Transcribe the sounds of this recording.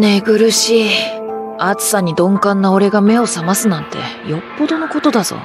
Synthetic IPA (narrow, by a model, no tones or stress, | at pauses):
ne̞ɡɯ̟ɾɯ̟ɕi | at͡sɨ̥saɲ̟id̪õ̞ŋkãnːao̞ɾe̞ɡame̞o̞samasɨnãnt̪e̞̰jo̞pːo̞d̪o̞no̞ko̞t̪o̞d̪az̥o̰ː